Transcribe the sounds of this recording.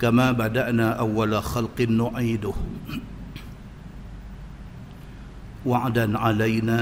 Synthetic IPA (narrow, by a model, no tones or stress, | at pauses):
kamaːbad̪aʔnaːʔawːalaxalqɨnːʊʕiːd̪ʊh | waʕd̪anʕalajnaː